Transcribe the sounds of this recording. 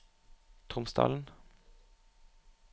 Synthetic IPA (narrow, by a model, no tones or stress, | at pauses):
t̪ʰʁʊmst̪ɑ̰ːln̩